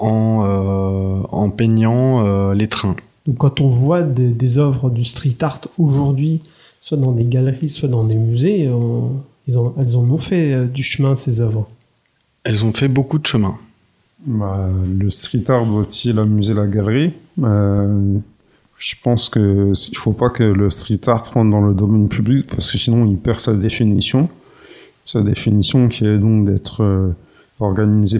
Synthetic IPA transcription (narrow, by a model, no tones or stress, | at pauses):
ɑ̃ø | ɑ̰̃pɛɲɑ̃ølet̪χɛ̃ | d̪ɔ̃kːɑ̃t̪ɔ̃vwad̪ed̪ezœvʁəd̪yst̪χit̪aʁt̪oʒuʁd̪ɥi | swad̪ɑ̃d̪eɡalʁiswad̪ɑ̃d̪emyzeøɛlzɔ̃ɛlzɔ̃nɔ̃fɛød̪yʃəmɛ̃sezœvʁə | ɛlzɔ̃fɛbokud̪əʃəmɛ̃ | baləst̪χit̪aʁd̪wat̪ilamyzelaɡalʁiø | ʒ̥əpɑ̃skəsilfopakələst̪χit̪aʁt̪ʁɑ̃d̪d̪ɑ̃ləd̪ɔmɛnpʰyblik̚paʁsə̥kəsinɔ̃ilpɛʁsad̪efinisjɔ̃ | sad̪efinisjɔ̃kʲʰiɛd̪ɔ̃kd̪ɛt̪χø | ɔʁɡaniize